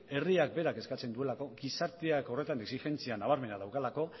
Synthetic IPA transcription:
e̞riak̚be̞ɾake̞skat͡se̞nd̪ue̞lako̞ɡisaɾt̪eako̞re̞t̪aneksixe̞nt͡sianaβ̞aɾme̞nað̞awkalako̞

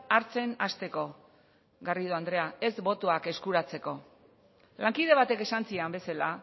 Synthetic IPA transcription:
aɾt͡se̞nast̪e̞ko̞ | ɡarið̞oand̪ɾe̞ae̞zβo̞t̪oake̞skuɾat͡se̞ko̞ | laŋkið̞e̞βat̪e̞ke̞sant͡siambe̞sala

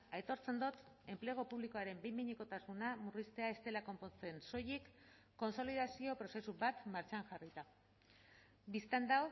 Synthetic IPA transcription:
ajt̪o̞ɾt͡se̞nd̪ot̪ | e̞mpleɣ̞o̞puβliko̞aɾe̞mbejmiɲekot̪asmunamurist̪e̞ae̞st̪e̞lako̞mpo̞nt͡se̞nso̞jikː | o̞nso̞liðasio̞pɾo̞se̞suβat̪maɾt͡ʃaŋʝarit̪a | bist̪and̪aw

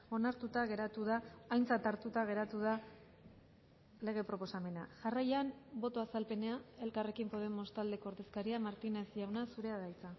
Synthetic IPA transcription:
o̞naɾt̪ut̪aɣe̞ɾat̪uðaːjnt͡sat̪aɾt̪ut̪aɣ̞e̞ɾat̪uða | le̞ɣ̞e̞pɾo̞po̞same̞na̰ʝarajanbo̞t̪o̞asalpe̞neae̞lkare̞kimpo̞ðe̞mo̞st̪ald̪e̞koɾðe̞skaɾiamaɾt̪inesiawnasuɾe̞aðajt͡sa

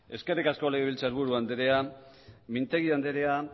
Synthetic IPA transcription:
e̞ske̞rikasko̞leɣeβilt͡saɾβuɾuand̪eɾe̞a | mint̪e̞ɣiand̪eɾea

